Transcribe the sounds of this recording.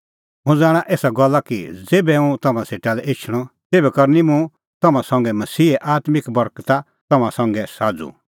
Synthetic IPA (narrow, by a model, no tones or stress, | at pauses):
mũd͡zaːɽ̃aʔeːsaɡɔlːakḭd͡zeːbɛũt̪ɐmãseːʈalɛʔet͡ʃʰɽ̃ɔt̪eːbɛkɐɾnimũ | t̪ɐmãsɐ̃ŋɡɛmɐsiːɛʔaːt̪mɪkbɔɾkt̪a | t̪ɐmãsɐ̃ŋɡɛsaːd͡zṵ